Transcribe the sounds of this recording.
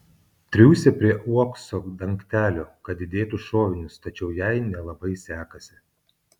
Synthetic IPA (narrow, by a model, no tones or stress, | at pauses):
t̪ʲɾʲuːsʲɛpʲɾʲiɛʔuɔksoːd̪ɐŋʲkt̪ʲæːlʲoːkɐd̪ʲɪd̪ʲeːt̪uʃoːʋʲɪnʲʊst̪ɐt͡ʃʲɛʊjɛɪnʲɛlˠɐbɐɪsʲæːkɐsʲɪ